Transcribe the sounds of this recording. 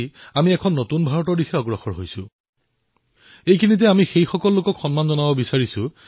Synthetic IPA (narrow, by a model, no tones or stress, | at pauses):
amiɛkʰɔnːotunbʱaɹɔtɔɹdixʰɛɔɡɹɔxɔɹɦojsʊ̃ | ejkʰinitɛamixejxɔkɔlːokɔkxɔnmanzɔnabɔbisaɹisʊ̃